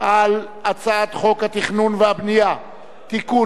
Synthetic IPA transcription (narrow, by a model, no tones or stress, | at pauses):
ʔal | at͡saat̪χo̞khat̪iχnunveabnija | t̪iku